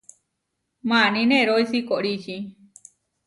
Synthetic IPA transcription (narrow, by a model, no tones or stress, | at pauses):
mãnĩneɾoisikoʔɾit͡ʃi